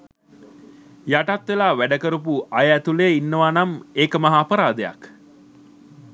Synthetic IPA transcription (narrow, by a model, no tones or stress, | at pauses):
jaʈat̪ʋelaːʋæɖəkəɾup̬uʔajæt̪uleinːəʋanameːkəmaɦaːpəɾaːd̪eja̰k